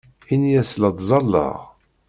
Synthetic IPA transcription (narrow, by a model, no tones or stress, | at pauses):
injæsləd̪ˤzˤɑlːɑ̰ʁ